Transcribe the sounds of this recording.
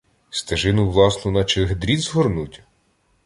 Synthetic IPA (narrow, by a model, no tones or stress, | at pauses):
st̪eʒɪnʊʋlˠɑsnʊnɐt͡ʃeɦd̪ɾʲizɦɔrnutʲ